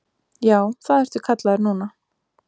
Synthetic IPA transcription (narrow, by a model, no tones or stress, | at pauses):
jaːwθaðɛɾt̪vʏ̥kʰat̪laðɾnuːna